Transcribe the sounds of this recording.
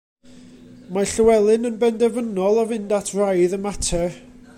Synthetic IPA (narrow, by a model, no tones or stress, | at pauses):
maɬəwɛlˠɨnənbɛndɛvənɔlˠɔvɪndatʰrajðəmatʰɛ